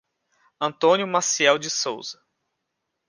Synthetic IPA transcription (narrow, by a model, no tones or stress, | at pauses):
ɐ̃nt̪õnjʊmasiɛwd͡ʒɪsowz̥ɐ